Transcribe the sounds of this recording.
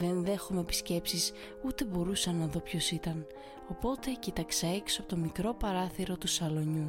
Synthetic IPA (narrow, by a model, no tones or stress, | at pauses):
ðe̞nðe̞xumepi̥sce̞psis | ut̪e̞bo̞ɾusɐnɐðopço̞sit̪ɐn | o̞po̞t̪e̞cit̪ɐksɐeksopot̪o̞mikɾo̞pɐɾɐθiɾo̞t̪usɐlo̞ɲu